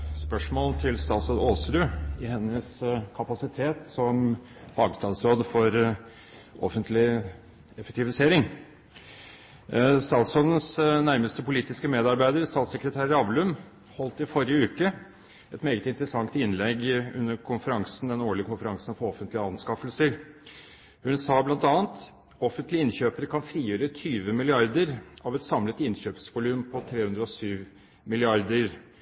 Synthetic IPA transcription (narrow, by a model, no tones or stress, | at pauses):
spœʂmoːlt̪ʰɪlst̪ɑːt̪sɔnoːsɾʉːɪhɛnːəskʰɑpɑsɪt̪ʰeːt̪sɔm | fɑːɡst̪ɑːd̪sɾoːd̪fɔɾ | ʔɔfənt̪lɪ | ɛfɛk̚t̪ɪʋɪseːɾɪŋ | st̪ɑːt̪sɔd̪n̩snæɾməst̪əpʊliːt̪ɪskəmeːd̪ɑɾbæɪd̪əɾst̪ɑːt̪səkɾət̪ʰæːɾəɑʋlʉm | hɔlt̪ɪfɔɾɪəʉːkə | ɛt̪meːɡət̪ɪnt̪əɾəsɑŋt̪ɪnlɛɡʉ̰nːəɾkʰʊnfəɾɑŋsnd̪ɛnoːɭɪəkʊnfəɾɑŋsənfɔɾɔfənt̪lɪəɑnskɑfəlsəɾ | hʉnsɑːblɑnt̪ɑːənt̪ | ɔfənt̪lɪɪnçøːpəɾkʰɑnfɾiːjøːɾət̪ʰyːʋəmɪlɪɑɾd̪əɾɑʋɛt̪sɑmlət̪ɪnɕøːpsʋʊlʉːmpʰɔt̪ʰɾeːhʉnd̪ɾəɔsyːʋ | mɪlɪɑɾd̪əɾ